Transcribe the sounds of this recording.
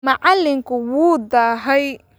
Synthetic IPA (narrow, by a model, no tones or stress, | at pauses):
mɐʕalːɪŋkʰʊwuːd̪aːɦɛj